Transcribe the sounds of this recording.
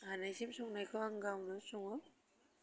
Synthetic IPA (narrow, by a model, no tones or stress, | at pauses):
hanajzimsɔŋnajkʰɯaŋɡawnɯsɔŋɔ